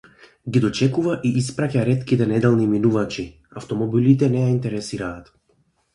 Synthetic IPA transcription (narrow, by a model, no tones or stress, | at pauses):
ɡid̪ɔt͡ʃɛkuvaʔiʔispɾacaɾɛt̪kit̪ɛnɛd̪ɛlˠniminuvat͡ʃi | aft̪ɔmɔbilit̪ɛnɛjaint̪ɛɾɛsiɾaːt̪